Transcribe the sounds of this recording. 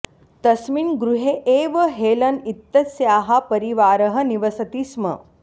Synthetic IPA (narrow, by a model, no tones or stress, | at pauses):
t̪ɐsmiːnɡɾuɦeʔeːʋəɦeːlɐnit̪ːɐsjaːɦapɐɾiʋaːɾɐɦəniʋɐsɐt̪iːsmɐ̰